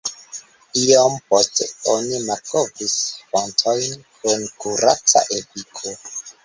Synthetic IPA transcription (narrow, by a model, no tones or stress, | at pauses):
iomposteonimaɾkovisfontʰojnkunkuɾat͡sa̰ʔepikʰo